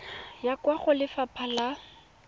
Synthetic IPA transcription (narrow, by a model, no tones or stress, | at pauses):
jakʼwaχʊlɪfapʰala